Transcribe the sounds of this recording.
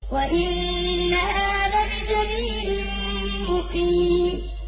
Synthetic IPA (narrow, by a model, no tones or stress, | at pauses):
waʔɪnːahaːða | d͡ʒamiː | ʊfiː